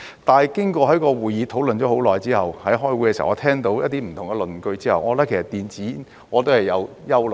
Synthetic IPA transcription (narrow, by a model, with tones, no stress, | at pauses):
t̪aː˨jkɪ˥ŋkɔː˧hɐ˨˥jkɔː˧wuː˨˩jiː˨˧t̪ʰo˨˥wlɵ˨nt͡ʃɔː˨˥ho˨˥wlɔː˨jt͡siː˥ɦɐ˨whɐ˨˥jɦɔː˥jwuː˨˥jkɛ˧si˨˩˨ɔ˧t̪ʰɛː˥ŋt̪̬o˨˥wjɐ˥t̚t̪iː˥m̩˨˩t̪ʰʊ˨˩ŋɛ˧lɵ˨nkɵ˧ɥt͡siː˥hɐ˨wʔɔː˨˧˥t̪ɐ˥kʰe˨˩sɐ˨˩t̪iː˨nt͡siː˨˥ | ŋɔː˨˧t̪o˥whɐ˨˩jːɐ˨˧w | jɐ˥wl